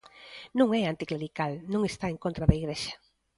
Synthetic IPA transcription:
nũŋɛant̪ikleɾikalnõŋest̪aeŋkõnt̪ɾaðaiɣɾeʃɐ̥

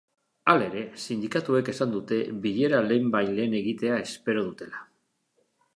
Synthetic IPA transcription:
ale̞ɾe̞sind̪ikat̪ue̞ke̞sand̪ut̪e̞βiʎe̞ɾaleːmbajle̞ːne̞ɣit̪e̞ae̞spe̞ɾo̞ð̞ut̪e̞la

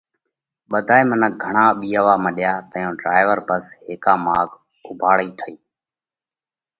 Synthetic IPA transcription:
ɓəd̪ʱaːeːmənək̚ɡʱəɳaːɓiːəʋaːmə̃ɗɪjaːt̪əjõːɖɾaːɪʋəɾbəsɦeːkãːmaːɡ | ʊbʱaːɭiːʈʰəiː

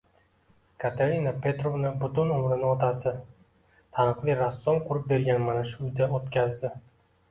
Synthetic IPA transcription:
kʰat̪ʰeɾinapʰe̞t̪ɾo̞vnɪbʊt̪ʊnʊmɾɪnɪɒt̪ʰasɪ | t̪ʰanɨqlˠijɾasːɒmqʰʊɾɪp̚be̞ɾɡʲanmanaʃuʊjd̪aot̪kʲʰazd̪ɪ

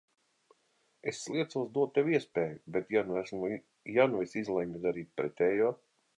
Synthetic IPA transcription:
esːlˠiɛt̪suɔsd̪uɔt̪ːewiɛspeːjubet̪januæsm | januvisizlˠɛŋɡ̪ad̪aɾiːt̪̚ʲpɾɛt̪ʲɛːjuː

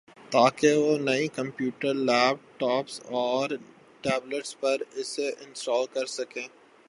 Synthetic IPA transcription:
t̪aːkeʋonɐikɐ̃mpjuːʈəɾlɛːbʈɔːpsɔːɾ | ʈɛːbləʈspɐɾɪseʔɪ̃nsʈɔːlkɐɾsɐkẽː

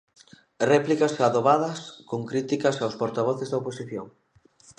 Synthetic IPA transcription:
rɛplikɐsaðoβaðɐskoŋkɾit̪ikɐsawspoɾt̪aβɔθezðɐoposiθjoŋ

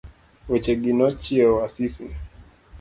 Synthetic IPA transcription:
wɛt͡ʃɛɡinɔt͡ʃiɛwasisi

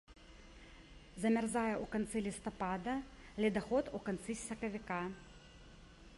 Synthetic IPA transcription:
zɐmʲɛrzajɛʔukɐnt̪sɪlʲɪst̪ɔpad̪ɐ | lʲɛd̪ɐxɔt̪ukɐnt̪sisʲɐkɐʋʲɪka

